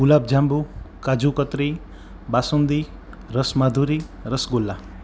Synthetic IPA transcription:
ɡulaːb̚d͡ʒʱambukad͡ʒukət̪ɾi | basund̪i | ɾəsmad̪ʱuɾiɾəsɡulːa

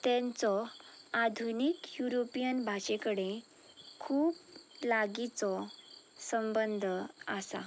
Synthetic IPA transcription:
t̪ɛ̃nt͡sɔad̪ʱunikjuɾopijənbʱaɕekəɽe | kʰuːplaɡit͡sɔ | səmbənd̪ʱasa̰

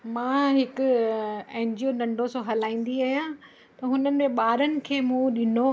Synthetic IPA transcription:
mãːɦɪkʊ̆ɛ̃ːɲd͡ʑijonɐ̃ɳɖʱosõɦɐlaːĩːn̆d̪iaːɦijã | t̪ɐɦʊnənɪ̆mẽɓaːɾənɪ̆kʰeːmũːɗɪno

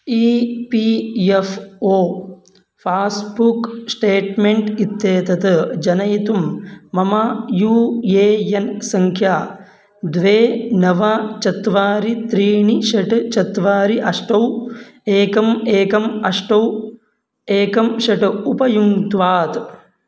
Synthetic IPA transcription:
iːpijefoː | pʰaːsbuksʈeːʈmeɳʈit̪jeːt̪ɐt̪ɐd͡ʒɐnɐjit̪umːɐmɐjuːjeːjɐnsɐŋkʰjaː | d̪ʋeːnɐʋat͡ʃɐt̪ʋaːɾit̪ɾiːɳiʃɐʈɨt͡ʃɐt̪ʋaːɾiʔɐʂʈɐweːkɐmeːkɐmɐʂʈɐw | eːkɐmʃɐʈɨupɐjuŋt̪ʋaːt̪

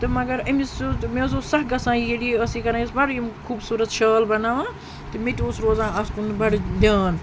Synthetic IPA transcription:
t̪ɨmɐɡɐɾɐmismezosɐɦɡɐsãːjeɽiɐsikɐɾãːisbɐɾimkʰuːbsuːɾɐt̪ʃɐːlbɐnaːʋãː | t̪ɨmet̪ʲoːsɾoːzãːɐskunbɐɽd̪ʲaːn

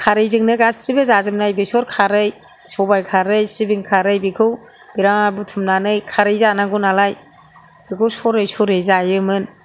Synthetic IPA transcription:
kʰaɾɯjzɯŋnɯɡassibɯzazɯmnajbisɔɾkʰaɾɯj | sɔbajkʰaɾɯjsibiŋkʰaɾɯjbikʰɯw | b̥iɾaŋabutʰɯmnanɯjkʰaɾɯjzanaɡunalaj | b̥ikʰɯwsɔɾɯjsɔɾɯjzajɯmɯn

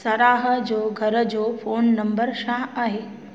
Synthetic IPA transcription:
səɾaːɦə̆d͡ʑoːɡʱɐɾəd͡ʑoːfoːnːɐmbəɾsãaːɦeː

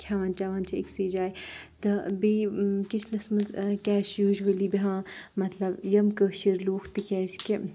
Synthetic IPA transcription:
kʲʰaːʋaːnt͡ʃaːʋaːnt͡ʃʰɐḭksiːd͡ʒaːjt̪ɨbiːkit͡ʃʰlɐsmɨzkɛːʃjuːʒʋɐliːbiɦãːmɐt̪lɐbjɐmkəʃiɾloːkʰt̪ɨkʲɛːskʲi

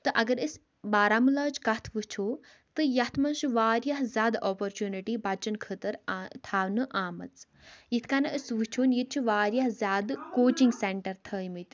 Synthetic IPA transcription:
t̪ɨʔɐɡɐɾəs | baːɾamɨlɐːt͡ʃʰkɐt̪ʰʋɨt͡ʃʰoː | t̪ɨjɐt̪ʰmɐnʃuʋaːɾjɐɦzʲaːd̪oːpoɾt͡ʃuːniʈibɐt͡ʃɐnkʰət̪ɐɾt̪ʰaːʋnɨʔaːmɐ̰t͡s | jit̪ʰkanɐəsʋɨt͡ʃʰoːnjit̪̚t͡ʃʰuʋaːɾʲjɐɦzʲaːd̪koːt͡ʃiŋɡseɳʈɐɾt̪ʰəːjmɨt̪

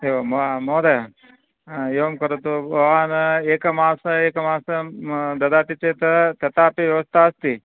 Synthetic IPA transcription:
eʋɐmmoːd̪e | jeʋɐmkɐɾot̪obɐʋaːneːkɐmaːsɐeːkɐmaːsɐd̪ɐd̪aːt̪it͡ʃeːt̪ɐt̪ɐt̪aːpiʋjɐʋɐst̪ʰaɐst̪i

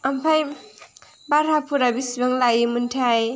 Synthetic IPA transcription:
ampʰaj | baɾɦapʰuɾabisbaŋlajimuntʰaj

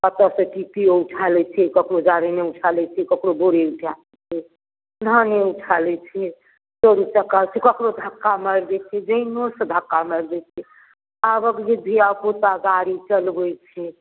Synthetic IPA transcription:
pət̪əsə̃kit̪iouʈʰalɛt͡ʃʰɛkəkɾod͡ʒaɾeneut͡ʃʰalɛt͡ʃʰɛkəkɾoboɾeuʈʰalet͡ʃʰɛ | naneut͡ʃʰalɛt͡ʃʰɛ | soɾut͡ʃakːalt͡ʃʰɛkəkɾod̪ʱəkːaməɾd̪ɛt͡ʃʰɛd͡ʒəɪnosə̃d̪ʱəkːaməɾd̪ɛt͡ʃʰɛ | abəkd͡ʒed̪ʱiapot̪aɡaɾit͡ʃəlbəjt͡ʃʰɛ

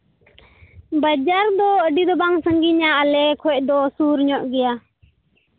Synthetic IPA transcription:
bəd͡ʒaɾd̪ɔəɖid̪ɔbaŋsəŋɡiɲaəlɛkʰɔc̚ˀd̪ɔsuɾɲɔʔɡɛja

